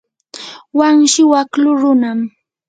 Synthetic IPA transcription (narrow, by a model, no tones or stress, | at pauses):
waŋʃɪwaklʊɾʊnam